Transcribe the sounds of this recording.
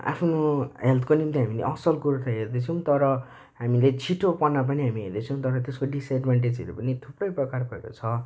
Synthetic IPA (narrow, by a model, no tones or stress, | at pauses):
a̰pʰnoɦelt̪ʰkonimt̪iɦamilḛʔʌsʌlkuɾut̪ʰaɦerd̪et͡sʰʌw̃t̪ʌɾʌ | ɦamilet͡sʰiʈopʌnap̬ʌniɦamiɦerd̪ʌt͡sʰʌw̃t̪ʌɾʌt̪eskoɖiseɖbʱaɳʈ̬ed͡zeɾḛpʌnit̪ʰuprʌjprʌkarpʌeko̰t͡sʰʌ